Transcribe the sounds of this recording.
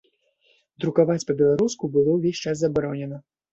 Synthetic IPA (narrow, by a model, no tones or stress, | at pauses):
d̪ɾukavat͡sʲpɐbʲɛlˠaɾuskubɨlˠɔwvʲesʲt͡ʂaszabaɾɔnʲɛnɐ